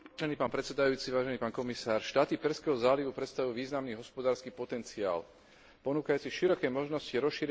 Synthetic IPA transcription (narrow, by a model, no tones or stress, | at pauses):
ʒɛniːpaːnpɾɛt̪sɛd̪ajuːt͡siʋaːʒɛniːpaːnkɔmisaːɾʃt̪aːt̪ipɛɾskɛːɦɔzaːliʋupɾɛt̪st̪aʋuʊjuʋiːznamniːɦɔspɔd̪aːɾskiːpɔt̪ɛnt͡sia̰ːl | pɔnuːkajuːt͡siʃiɾɔkɛmɔʒnɔsciɾɔsʃiːɾ